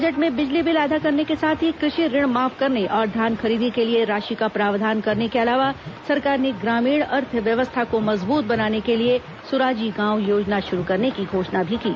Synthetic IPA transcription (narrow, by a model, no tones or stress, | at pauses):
bbɐd͡ʒəʈmẽbɪd͡ʒlibɪlaːd̪ʱakɐɾnekesaːt̪ʰikɾɪʃiɾɪɽ̃maːfkɐɾneʔɔːɾd̪ʱjaːnxɐɾiːd̪ikelieɾaːʃikapɾaːʋd̪ʱaːnkɐɾnekeɐlaːʋasɐɾkaːɾneɡɾaːmiːɽɐɾt̪ʰʋjɐʋəst̪ʰakomɐzbuːt̪̚bɐnaːnekelie | sʊɾaːd͡ʒiɡãːwjoːd͡ʒnaʃʊɾukɐɾnekiɡʱoːʃnabʱikḭː